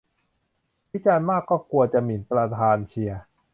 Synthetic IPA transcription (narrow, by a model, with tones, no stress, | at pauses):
wʰi˦˥t͡ɕaː˧nmaː˥˩kːɔː˥˩ku˧ɐt͡ɕa˨˩mi˨˩˦npɾa˧t̪ʰaː˧nt͡ɕʰi˧ɐ